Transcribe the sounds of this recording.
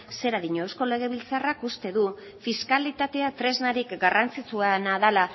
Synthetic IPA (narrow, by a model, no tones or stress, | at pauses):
se̞ɾaðiɲoewsko̞le̞ɣ̞e̞β̞ilt͡sarakust̪e̞ðu | fiskalit̪at̪e̞at̪ɾe̞znaɾikɡarant͡sit͡suanaðala